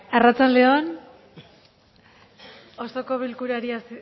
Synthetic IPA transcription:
arat͡sanle̞o̞n | ostoko̞βilkuɾaɾiasi

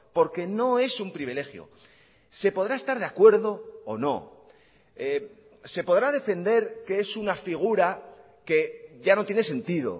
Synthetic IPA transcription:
po̞ɾke̞no̞e̞sumpɾiβile̞xjo̰ | se̞po̞ð̞ɾae̞st̪aɾðe̞akwe̞ɾðo̞ːno̞̰ | e | se̞po̞ðɾað̞e̞fe̞nd̪e̞ɾkee̞sunafiɣ̞uɾa | ke̞ʝano̞t̪je̞nese̞nt̪iðo̞̰

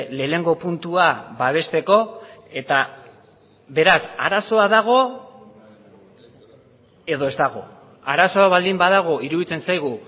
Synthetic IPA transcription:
le̞ːne̞ŋɡo̞punt̪uaβaβ̞e̞st̪e̞ko̞e̞t̪a | βe̞ɾasaɾaso̞aðaɣ̞o̞ | e̞ðo̞e̞zt̪aɣ̞o̞̰ | aɾaso̞aβald̪imbaðaɣ̞o̞iɾuðit͡se̞nsajɣ̞u

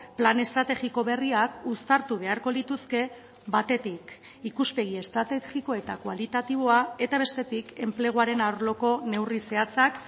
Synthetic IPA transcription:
plane̞st̪ɾat̪e̞ɣiko̞βe̞riakust̪aɾt̪uβ̞e̞aɾko̞lit̪uske̞ | bat̪e̞t̪ik | ikuspe̞ɣ̞ie̞st̪ɾat̪exiko̞e̞t̪akwalit̪at̪iβo̞ae̞t̪aβ̞e̞st̪e̞t̪ike̞mple̞ɣ̞oaɾe̞nawɾlo̞ko̞ne̞wrise̞at͡sak

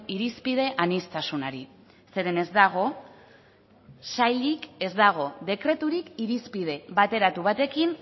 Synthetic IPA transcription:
iɾispið̞e̞ʔanist̪asunaɾi | se̞ɾe̞ne̞zd̪aɣ̞o̞ | sajʎike̞zd̪aɣ̞o̞ðe̞kɾe̞t̪uɾikiɾispið̞e̞βat̪e̞ɾat̪uβ̞at̪e̞kin

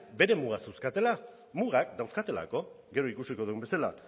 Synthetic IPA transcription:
be̞ɾe̞muɣasewskat̪e̞la | muɣakd̪awskat̪e̞la̰ko̞ | ɡe̞ɾo̞ikusiko̞ðuumbe̞sala̰

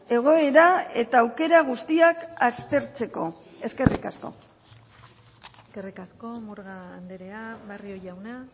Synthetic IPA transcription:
e̞ɣ̞o̞e̞ɾae̞t̪aːwke̞ɾaɣ̞ust̪iakast̪e̞ɾt͡se̞ko̞ | e̞ske̞rikasko̞̰ | eskerikaskomuɾɣaːnd̪eɾeaβario̞jawna

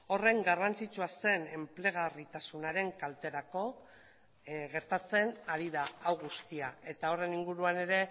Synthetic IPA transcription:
o̞re̞ŋɡarant͡sit͡suase̞ne̞mple̞ɣ̞arit̪asunaɾe̞ŋkalt̪e̞ɾako̞ | ɣe̞ɾt̪at͡se̞naɾiðaawɣust̪iae̞t̪ao̞re̞niŋɡuɾuane̞ɾe̞

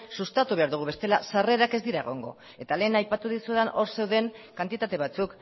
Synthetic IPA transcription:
sust̪at̪uβe̞aɾðuɣ̞uβe̞st̪e̞lasare̞ɾake̞zd̪iɾae̞ɣ̞o̞̰ŋɡo̞̰ | e̞t̪ale̞ːnajpat̪uðisueðanʔo̞ɾse̞wðe̞ŋkant̪it̪at̪e̞β̞at͡suk

